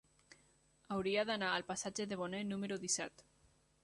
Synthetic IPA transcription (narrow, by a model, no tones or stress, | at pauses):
awɾiaðanaːlpasad͡ʒeðeβonenumeɾuðisɛt̪